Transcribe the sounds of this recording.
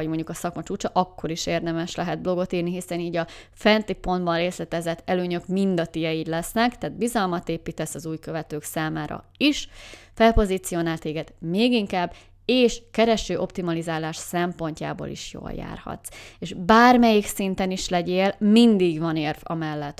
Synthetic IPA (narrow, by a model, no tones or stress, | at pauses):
ɟmo̞ɲɟukɒsɒkmɒt͡ʃuːt͡ʃɒʔɒkːo̞ɾiʃeːrd̪ɛmɛʃlɛɦɛd̪̚blo̞ɡo̞t̪iːrniɦisɛniːɟɒ | fɛnt̪ipo̞nd̪bɒnreːslɛt̪ɛzɛt̪ʰːɛløːɲøkmind̪ɒt̪ijɛjiːd̪lɛsnɛkt̪ɛaːd̪̚bizɒlmɒt̪eːpiːt̪ɛsːɒzuːjkø̞vɛt̪øːksaːmaːɾɒ̰ | iʃfɛlpo̞zit̪sijo̞naːlt̪eːɡɛd̪meːɡiŋkaːbː | eːʃkɛɾɛʃøːʔo̞pt̪imɒlizaːlaːʃsɛmpo̞ɲca̰ːbo̰ːlḭʃjo̰ːlja̰ːrhɒ̰t̪seːʒbaːrmɛjiksint̪ɛniʃlɛɟeːlmind̪iɡvɒneːrvɒ̰mɛlːɛt̪ː